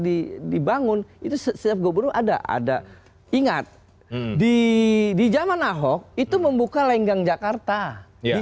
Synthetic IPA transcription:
didibaŋʊnit̪usəsəap̚ɡobuɾuʔada̰ʔa̰da̰ | iŋat̪̚ | didid͡ʒamanaɦɔk̚it̪uməmbukalaiŋɡaŋd͡ʒakart̪ai

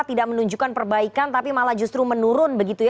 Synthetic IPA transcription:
t̪idaʔ̚mənuɲd͡ʒukanpərbaikant̪apimalahd͡ʒust̪ɾumənuɾʊnbəɡit̪uj

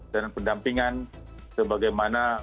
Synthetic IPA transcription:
dananpəndampiŋan | səbaɡajmana

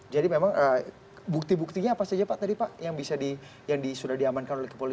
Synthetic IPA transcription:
d͡ʒadimemaŋə | buk̚t̪ibuk̚t̪iɲaːpasad͡ʒapaʔt̪adipaʔjaŋbisadi | jaŋdisudahdiamankanolɛkəpoli

